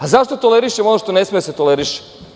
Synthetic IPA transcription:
azaʃt̪o̞t̪ole̞ɾiʃemonoʃt̪o̞ne̞smejset̪o̞leɾiʃe̥

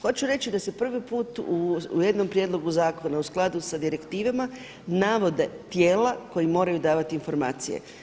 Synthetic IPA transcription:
xo̞t͡ʃuɾe̞t͡ɕid̪asepr̩ʋipuːt̪uuje̞d̪no̞mpɾje̞d̪lˠo̞ɡuzaːko̞nausklˠad̪usad̪iɾe̞kt̪iːʋama | naʋo̞d̪e̞t̪jeːlako̞jimo̞ːɾajud̪aːʋat̪iːnfo̞ɾma̰ːt̪sijḛ

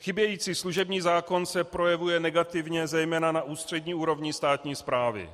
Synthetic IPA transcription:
xɪbjɛjiːt͡siːsluʒɛbɲiːzaːko̞nsɛpɾo̞jɛvujɛnɛɡat̪ɪvɲɛzɛjmɛːnanaʔuːst̪r̥ɛdɲiːuːɾo̞vɲist̪aːt̪ɲiːspɾaːvɪ̰

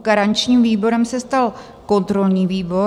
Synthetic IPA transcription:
ɡ̥aɾaɲt͡ʃɲiːmviːbo̞ɾɛmsɛst̪al | ko̞nt̪ɾo̞lɲiːviːbo̞

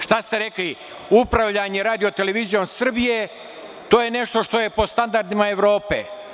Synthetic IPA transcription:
ʃt̪ast̪e̞ɾekli | upɾaʋʎaɲeɾaːd̪io̞t̪ele̞ʋizijo̞msr̩bije̞ | t̪o̞ːjene̞ʃt̪o̞ʃt̪o̞je̞po̞st̪and̪aɾd̪imae̞ʋɾo̞ːpḛ

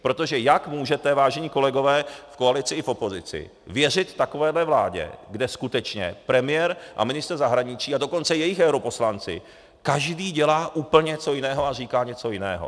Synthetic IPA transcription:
pɾo̞t̪o̞ʒɛjakmuːʒɛt̪ɛvaːʒɛɲiːko̞lɛɡo̞vɛːfkoalɪt͡sɪɪfo̞po̞zɪt͡sɪ̰ | vjɛrɪt̪ːako̞vɛːdlɛvlaːɟɛ̰ɡdɛskut̪ɛt͡ʃɲɛ̰pɾɛmɪjɛɾʔa̰mɪnɪst̪r̩zaɦɾaɲɪt͡ʃiːado̞ko̞nt͡sɛjɛjɪxɛwɾopo̞slant͡sɪ̰ | kaʒdiːɟɛlaːʔuːpl̩ɲɛt͡so̞jɪnɛːɦo̞ar̝iːkaːɲɛt͡so̞jɪnɛ̰ːɦo̰

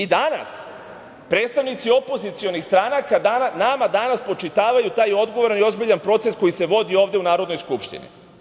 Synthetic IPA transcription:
id̪ana̰s | pɾe̞ːt̪st̪aʋnit̪sio̞po̞zit̪sio̞nixst̪ɾanakad̪aanamad̪anaspo̞t͡ʃit̪aːʋajut̪aːjo̞d̪ɡoʋo̞ɾanio̞zbiʎanpɾo̞t̪se̞sko̞jise̞ʋo̞d̪io̞ːʋd̪eunaːɾo̞d̪no̞jskupʃt̪ḭnḭ

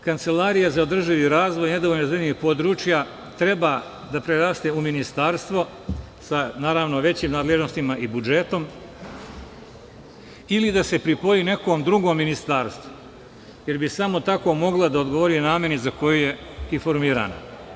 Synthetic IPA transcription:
kant̪se̞laɾijazaod̪r̩ʒiʋiɾaːzʋojne̞d̪oʋoʎnozenixpo̞d̪ɾuːt͡ʃja | t̪ɾe̞baː | d̪apɾeɾaːst̪euminist̪aːɾst̪ʋo̞ | sanaːɾaːʋno̞ʋe̞t͡ɕiːmnaːd̪leʒnost̪imaʔibud͡ʒet̪o̞m | ilid̪ase̞pɾipo̞jiːne̞koːmd̪ɾuɡomːinist̪aːɾst̪ʋo | je̞ɾbisamo̞t̪ako̞mo̞ɡlad̪aod̪ɡo̞ʋo̞ɾinaːmje̞nizako̞jujeifo̞ɾmiːɾa̰ːno̰

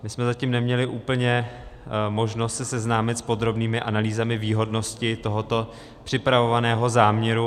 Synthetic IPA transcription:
mɪsmɛzaciːmnɛmɲɛlɪʔuːpl̩ɲɛ | mo̞ʒnost̪sɛsɛznaːmɪt̪spo̞d̪ɾo̞bniːmɪʔanaliːzamɪviːɦo̞dno̞scɪt̪o̞ɦo̞t̪o̞ | pr̝̥ɪpɾavo̞vanɛːɦo̞zaːmɲɛɾu

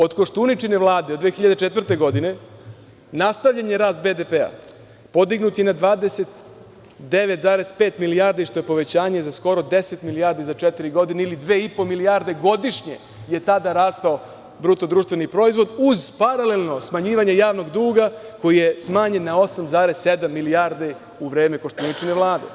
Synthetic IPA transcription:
o̞d̪koʃt̪ounit͡ʃineʋlˠaːd̪ed̪d̪ʋeːxʲiʎad̪et͡ʃet̪ʋrt̪e̞ɡo̞d̪ine̞ | nast̪aʋʎaɲe̞ɾaːst̪̚be̞d̪epea̰ | po̞d̪iɡnut̪jenad̪ʋaːd̪ese̞t̪ | d̪e̞ʋet̪zaːɾe̞zpe̞ːt̪milijaːɾd̪iʃt̪o̞jepo̞ʋe̞t͡ɕaːɲe̞zasko̞ɾo̞d̪e̞se̞t̪miliaːɾd̪izat͡ʃet̪iɾiɡo̞d̪ineilid̪ʋe̞ːipo̞miliaːɾd̪e̞ɡo̞d̪iʂɲe̞̰ | je̞t̪ad̪aɾaːst̪ao | bɾut̪od̪ɾuːʃt̪ʋe̞nipɾo̞izʋo̞d̪uzpaɾale̞lˠno̞smaɲiːʋaɲejaːʋno̞ɡd̪uːɡako̞jijesmaːɲe̞nːao̞samzaːɾezse̞d̪amːiliaːɾd̪e | uʋɾe̞ːme̞ko̞ʃt̪onit͡ʂineʋlˠaːd̪e̞̰

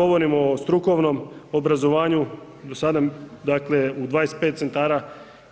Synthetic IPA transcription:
o̞ʋo̞ɾimost̪ɾuko̞ʋno̞mobɾazo̞ʋaːɲu | d̪osad̪ad̪akle̞ud̪ʋaːje̞spet̪̚se̞nt̪aːɾa

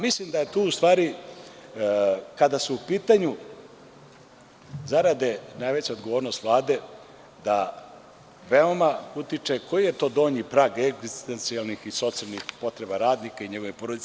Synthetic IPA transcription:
mislimd̪aje̞t̪uːust̪ʋaːɾi | kad̪asuupiːt̪aɲu | zaɾad̪enajʋe̞t͡ɕad̪ɡoʋoːɾnost̪ʋlˠaːd̪e̞ | d̪a | ʋeomaut̪it͡ʂeko̞jije̞t̪o̞ːd̪o̞ːɲipɾaːɡeɡzist̪ent̪sijalˠnixiso̞t̪sialnixpo̞t̪ɾe̞baɾaːd̪nikaiɲeɡoʋipoɾod̪it̪

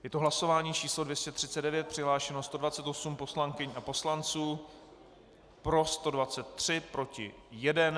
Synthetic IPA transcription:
jɛt̪oɦlaso̞vaːɲiːt͡ʃiːslo̞dvjɛscɛt̪r̝̥ɪ̥t͡sɛddɛvjɛt̪̚pr̥ɪɦlaːʃɛno̞st̪o̞dvat͡sɛt̪o̞sumposlaŋkɪɲʔapo̞slant͡suː | pɾo̞st̪o̞dvat͡sɛt̪ːr̝̥ɪpɾo̞cɪ̰ | jɛdɛn

